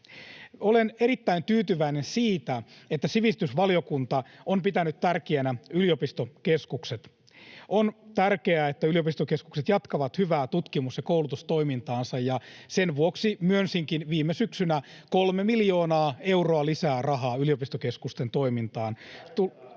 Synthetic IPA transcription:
oleneɾit̪ːæint̪yːt̪yʋæinensiːt̪æet̪ːæsiʋist̪ysʋɑlijokunt̪ɑompit̪ænyt̪t̪ærkeænæyliopist̪okeskukset̪ | ont̪ærkeæet̪ːæyliopist̪okesku̥kset̪jɑt̪kɑʋɑt̪hyʋæːt̪ut̪kimusjɑkowlut̪ust̪o̞imint̪ɑːnsɑjjɑsenʋuoksimyønsiŋkinʋiːmːesyksynækolmemiljoːnɑːe̞wroɑlisæːrɑɦɑːyliopist̪okeskust̪ent̪o̞imint̪ɑːnt̪u

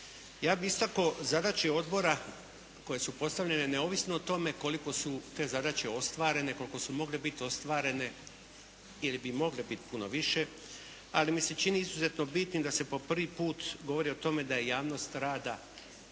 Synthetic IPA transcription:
jaːbiist̪ako̞zad̪at͡ʃeo̞d̪bo̞ɾa | ko̞je̞supo̞st̪aʋʎe̞ne̞neo̞ːʋisnoot̪o̞me̞ko̞liko̞sut̪e̞zad̪at͡ʃe̞o̞st̪ʋaːɾe̞ne̞ko̞liko̞sumo̞ɡlebit̪io̞st̪ʋaːɾe̞ne | ilibimo̞ɡlebit̪i̥puno̞ʋiʃe̞ | a̰limise̞t͡ʃiniizuze̞t̪nobit̪nid̪ase̞po̞pr̩ʋipuːt̪ɡo̞ʋo̞ɾio̞t̪o̞me̞d̪aje̞jaːʋno̞ːst̪ɾaːd̪a

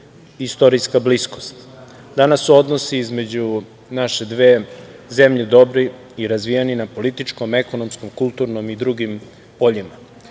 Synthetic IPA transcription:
ist̪o̞ɾijskablisko̞st̪ | d̪anasːuo̞d̪nosiizme̞d͡ʑu | naʃed̪ʋe̞ːze̞mʎed̪o̞bɾi | iɾazʋijeninapo̞lit̪it͡ʃko̞me̞ko̞nomsko̞mkulˠt̪uɾno̞mid̪ɾuɡim | po̞ʎima

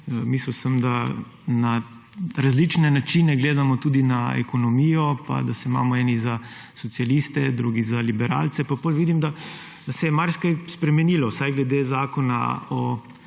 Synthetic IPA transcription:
misləwsəmd̪a | na | ɾazlit͡ʃnɛnat͡ʃiːnɛɡleːd̪amɔt̪uːd̪inaɛ̰kɔnɔmiːjɔpa̰d̪asɛima̰ːmɔɛːniza | sɔt̪sialist̪ɛd̪ɾuːɡizalibɛɾa̰ːlt̪sɛpapolʋid̪imd̪a | d̪ɐsɛjɛmaɾskajspɾɛmɛniːlɔsajɡlɛd̪eːzaːkɔna̰ɔ

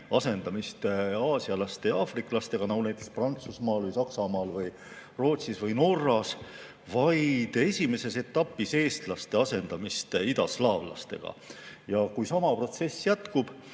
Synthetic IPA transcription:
ɑse̞nd̪̥ɑmist̪ɑːsiɑlɑst̪e̞ɑːfrikˑlɑst̪e̞ɡ̥ɑnɑɡunæjt̪ːˑe̞ksprɑnt̪susmɑːlvɯjsɑksɑmɑːlvɯj | ro̞ːt̪sisvɯjno̞rːɑs | vɑjd̪̥e̞sʲime̞se̞se̞t̪ːˑɑpːise̞ːst̪lɑst̪e̞ɑse̞nd̪̥ɑmist̪id̪ɑslɑːvlɑ̰st̪e̞̰ɡ̥ɑ̰jɑkujsɑmɑpro̞t̪se̞sːjæt̪kub̥

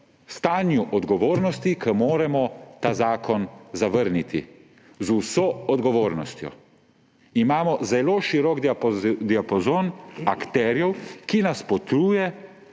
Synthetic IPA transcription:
st̪aːnjuʔɔd̪ɡɔʋoːɾnɔst̪ikʰəmoːɾɛmɔt̪aːzaːkʰɔnzaʋəɾnit̪ḭ | zusɔːɔd̪ɡɔʋoːɾnɔst̪jɔ̰ | imaːmɔzɛloːʃiɾɔkd̪pd̪iapɔzoːnakt̪ɛːɾjɛwkinaspɔt̪ɾuːjɛ

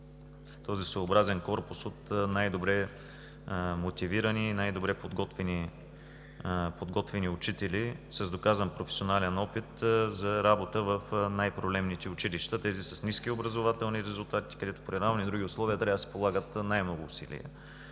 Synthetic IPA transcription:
t̪ɔzisoːbɾazɛnkɔɾpʊsot̪najd̪obɾɛ | mot̪iviɾəniːnajd̪obɾɛpod̪ɡɔt̪vɛni | pod̪ɡɔt̪vɛniʊt͡ʃit̪ɛlisɐzd̪okazənpɾofɛ̥sionalɛnɔpit̪zɐɾabot̪əvɐfnajpɾoblɛmnit̪ɛʊt͡ʃiliʃt̪ət̪ɛzisəsniskiobɾəzovat̪ɛlˠniɾɛzulˠt̪at̪i̥kɐd̪ɛt̪ʊ̥pɾiɾavnid̪ɾuɡʲiʊslˠɔviət̪ɾʲavd̪sɛ̥polˠaɡət̪najmnɔɡʊːsḭlḭə̰

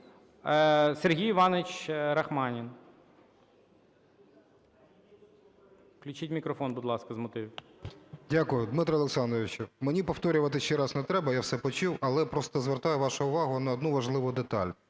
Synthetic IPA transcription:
serɦʲijɪʋɑnɪt͡ʃɾɐxmɑnʲin | klʲʊt͡ʃitʲmʲikɾɔfɔnbʊd̪lˠɑskɐzmɔt̪ɪ | dʲakʊjʊd̪mɪt̪ɾɐɔlˠeksɑnd̪ɾɔʋʲɪt͡ʃʊmenʲipɔwt̪ɔɾʲʊʋɐt̪ɪʃt͡ʃɛɾɑsnɛt̪ɾɛbɐjawsɛpɔt͡ʃuwɐlˠɛpɾɔst̪ɔzʋert̪ɑjɛʋɑʃʊʊʋɑɦʊnɐɔd̪nuʋɐʒlˠɪʋʊd̪et̪ɑ̰lʲ

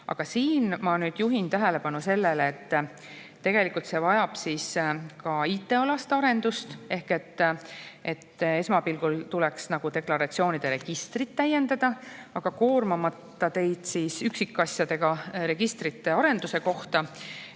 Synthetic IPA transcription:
ɑ̰ɡ̥ɑsiːnmɑnyːd̪̥juɦint̪æɦele̞pɑnuse̞lːeleːt̪ː | t̪ːe̞ɡ̥e̞likːˑult̪se̞vɑjɑb̥siːskɑiːt̪ːˑe̞olɑst̪ɑɾe̞nd̪̥ust̪e̞hke̞t̪ːʔe̞t̪ːe̞smɑpilɡ̥ult̪ulɛksnɑɡ̥ut̪e̞klɑɾɑt̪sio̞ːnid̪̥e̞ɾe̞ɡ̥ist̪rit̪ːæje̞nd̪ɑd̪̥ɑɑɡ̥ɑko̞ːrmɑmɑt̪ːɑt̪e̞jd̪̥siːsyksikːˑɑsʲjɑd̪e̞ɡ̥ɑɾe̞ɡ̥ist̪rit̪ːe̞ɑɾe̞nd̪use̞ko̞ht̪ɑ

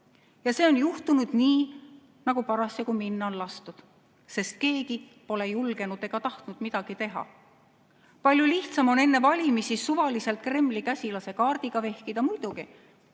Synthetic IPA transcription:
jɑse̞ːo̞njuht̪unud̪̥niː | nɑɡ̥upɑɾɑsekuminːɑo̞nlɑst̪ud̪̥ | se̞st̪̚ke̞ːɡi | po̞le̞julɡ̥e̞nud̪̥e̞ɡ̥ɑt̪ɑht̪nud̪̥mid̪̥ɑɡ̥it̪e̞ɦɑ̰ | pɑlʲjuliht̪sɑmo̞ne̞nːe̞vɑlʲimisisuvɑlise̞lt̪̚ˑkre̞mːlikæsʲilɑse̞kɑːrd̪̥iɡ̥ɑve̞hkid̪̥ɑmujd̪̥uɡ̥i

